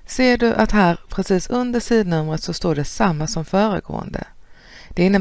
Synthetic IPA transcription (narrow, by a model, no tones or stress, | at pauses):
seːɖɵʔa̰t̪hæːɾpʰɾɛsiːsɵnd̪əʂiːd̪nɵmɾət̪sɔst̪oːɖɛsamːasɔmfœːɾə̰ɡo̰ːə̰nd̪ə̰ | d̪̥ɛɪnːə